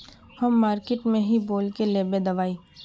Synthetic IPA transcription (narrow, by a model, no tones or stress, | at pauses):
hɐmːaːɾkeʈmẽɦiboːlkeleːbed̪ɐʋaːiː